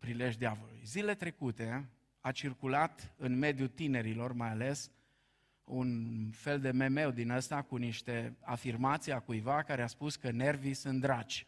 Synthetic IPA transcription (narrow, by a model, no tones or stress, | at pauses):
pɾile̞ʒd̪iavəlṵjzile̞t̪ɾe̞kut̪e̞ | at͡ʃirkulat̪ɨnme̞d̪jut̪ine̞ɾilo̞rmajale̞s | unfe̞ld̪e̞me̞me̞wd̪inəst̪akuniʃt̪e̞a̰firmat̪sijakujvakaɾeaspuskəne̞rvisɨnt̪d̪ɾat͡ʃʲ